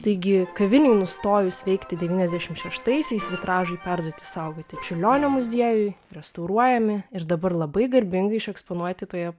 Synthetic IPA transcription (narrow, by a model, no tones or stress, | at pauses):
t̪ɐɪɡʲɪkɐʋʲɪnʲuːnʊst̪oːjʊsʲʋʲɛɪkt̪ʲɪd̪ʲɛʋʲiːnʲɛzd̪ʲæʃʲɪmʃʲɛʃt̪ɐɪsʲɛɪsʋʲɪt̪ɾɑːʒɐɪpʲæɾd̪uɔt̪ʲɪ̥sɐʊɡoːt̪ʲɪt͡ʃʲʊlʲoːnʲoːmʊzʲiɛjʊjɾʲɛst̪ɐʊɾuɔjɛmʲɪɪɾd̪ɐbɐɾlˠɐbɐɪɡɐɾʲbʲɪŋɡɐɪɪʃɛkspoːnuɔt̪ʲɪt̪oːjɛ